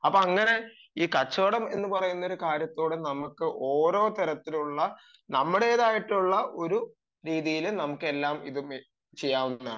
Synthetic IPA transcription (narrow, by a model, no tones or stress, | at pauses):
ɐpːoɐŋːɐne̞ | iːkɐt͡ɕːoːɽɐme̞̰nːɨpɐrɐjunːoɾukaːɾjɐt̪ːoːɽɨnɐmukːɨʔo̞ːɾo̞ːt̪ɐɾɐt̪ːiluɭːɐ | nɐmːuɽe̞ːðaːjiʈːuɭːɐʔo̞ɾu | ɾiːðijilnɐmukːe̞lːaːmḭðum | t͡ɕejːaːʋunːa